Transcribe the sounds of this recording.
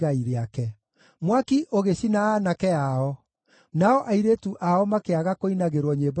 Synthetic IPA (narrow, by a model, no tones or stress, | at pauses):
ɣaiɾeakɛ | mwakiʔoɣeɕinaːnakɛaɔ | naɔʔaiɾeːtuʔaɔmakeaɣakoinaɣeɾwɔɲeb